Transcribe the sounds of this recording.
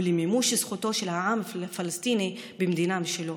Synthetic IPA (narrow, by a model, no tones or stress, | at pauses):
lemimuʃsχut̪o̞ʃelhaʕamfalast̪inibemd̪inamiʃelo